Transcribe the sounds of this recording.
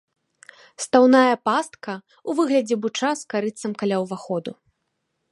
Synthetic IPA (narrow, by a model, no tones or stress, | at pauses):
st̪awnajɐpast̪̚kɐ | uvɨɣlʲɐd͡zʲɛbut͡ʂaskaɾɨt̪sɐmkalʲawvaxɔd̪u